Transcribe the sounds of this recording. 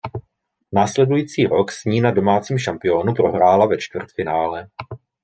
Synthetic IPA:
naːslɛdujiːt͡siːɾo̞ksɲiːnado̞maːt͡siːmʃampɪo̞nupɾo̞ɦɾaːlavɛt͡ʃt̪vr̩t̪fɪnaːlɛ

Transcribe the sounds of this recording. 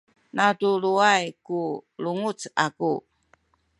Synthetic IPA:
natuluajkuluŋut͡saku

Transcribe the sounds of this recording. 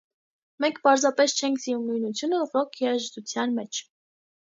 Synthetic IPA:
mɛŋkʰpɑɾzɑpɛst͡ʃʰɛŋkʰziumnujnut͡sʰjunəːʁɾɔkʰiɑʒt̪ut͡sʰjɑnmɛt͡ʃʰ

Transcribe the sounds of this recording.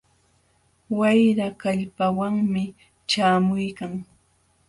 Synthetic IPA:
wajɾakaʎpawaŋmɪ | t͡ʃaːmʊjkaŋ

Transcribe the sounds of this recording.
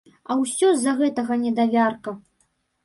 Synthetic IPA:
ɐwsʲɔzːɐɣɛt̪ɐɣɐnʲɛd̪avʲarkɐ

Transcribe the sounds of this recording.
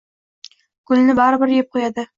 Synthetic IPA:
ɡ̥ʊlnɪbɒɾɪbɪɾjep̚qʰojad̪ɪ

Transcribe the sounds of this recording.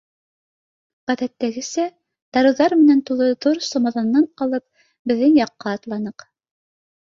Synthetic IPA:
ʁæðæt̪ːæɡɘ̆sæ | d̪̥ɑɾɤ̆wðɑɾmɘ̆nænt̪ulˠɤðuɾsomɑðɑnːɑnqɑlˠɤp̚ | bɘ̆ðːɘŋjɑqːɑːt̪lˠɑnɤq

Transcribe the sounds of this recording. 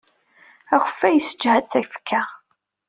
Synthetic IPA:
æxəfæjəsə̥d͡ʒhæd̪θæçfə̥kʰːæ

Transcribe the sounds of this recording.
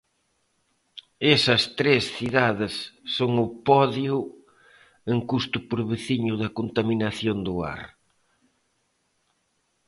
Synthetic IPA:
esɐst̪ɾesθiðaðɪsːoŋʊpɔðjʊ | eŋkust̪ʊpoɾβeθiɲʊðɐkont̪aminaθjond̪ʊa̰ɾ

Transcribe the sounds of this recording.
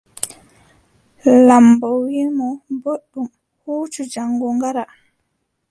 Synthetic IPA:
lambɔwimɔmboɗːum | huːt͡ʃud͡ʒaŋɡɔŋɡaɾa

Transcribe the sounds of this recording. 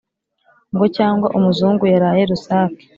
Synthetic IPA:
ŋɡo̞caːŋɡwaʔumuzuːŋɡujaɾaːje̞ɾusaːki̥

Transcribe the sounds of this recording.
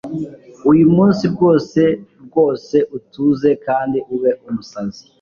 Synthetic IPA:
ujumuːnsibɡo̞ːse̞b̚ɡo̞ːse̞ʔutuːze̞kaːndiuβe̞ʔumusazi̥

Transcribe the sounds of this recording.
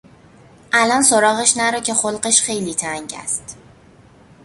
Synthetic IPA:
ʔælɒnso̞ɾɒːɣeʃnæɾɒcʰe̞xolɢeʃxe̞jliːt̪ʰæŋɟæ̰st̪

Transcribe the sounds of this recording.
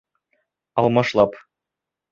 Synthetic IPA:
ɑlˠmɑʃlˠɑp

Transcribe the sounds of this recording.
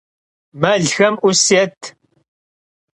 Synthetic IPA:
mɐɮxɐmʔʊsɛt̪ʰ

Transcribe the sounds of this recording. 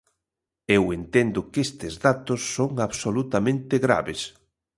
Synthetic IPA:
ewent̪end̪ʊkest̪ezðat̪osːoŋaβsolut̪amẽnt̪ɪɣɾa̰βes

